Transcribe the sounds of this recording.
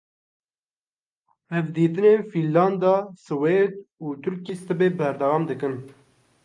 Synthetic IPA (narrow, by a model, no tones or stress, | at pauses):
hɛvd̪iːt̪ɨneːfilːɑnd̪ɑsɨwed̪̚uːt̪ʰʊɾkiːst̪ɨbeːbɛɾd̪ɛwɑːmd̪ɨkɨn